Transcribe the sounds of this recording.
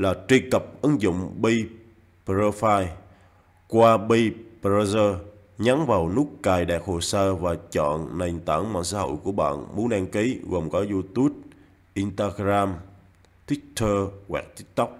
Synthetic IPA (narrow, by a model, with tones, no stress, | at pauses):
laː˨˩t͡ɕwi˧əkə˨˩p̚ʔɨ˨˦ŋzʊ̰˧˨ŋ͡mɓi˧ | pzəː˧faː˧j | kwaː˧ɓi˧pə˧zəː˧ | ɲa˨˦ŋvaː˨˩wnu˦˥kkaː˨˩jɗɛ˨˩k̚ho˨˩səː˧vaː˨˩t͡ɕɔ̰˧˨nːa˨˩ŋt̪a̰ː˧˩nma̰ː˧˨nsaː˧˩˦ɦo̰˧˨jku˧˩əɓa̰ː˧˨nmu˨˦ənɗaː˧ŋki˨˦ɣo˨˩ŋ͡mkɔː˨˦zu˧t̪u˦˥əp̚ | ʔi˧nt̪aː˧ɡɾaː˧m | t̪ʰwi˦˥k̚t̪ʰəː˧ɣwa̰ː˨˩k̚t̪i˦˥k̚t̪ʊ˦˥k͡p̚